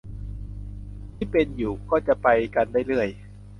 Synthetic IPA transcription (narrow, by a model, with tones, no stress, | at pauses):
t̪ʰiː˥˩pe˧njuː˨˩kɔː˥˩t͡ɕa˨˩ʔpa˧jka˧ndaː˥˩jlɯ˥˩əj